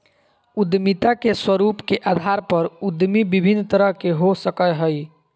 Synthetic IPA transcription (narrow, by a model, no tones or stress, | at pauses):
ʊd̪mit̪akeswəɾuːpkeʔaːd̪ʱaɾpəɾʊd̪mibibʱɪnːt̪əɾəɦkeɦosəkəɦəi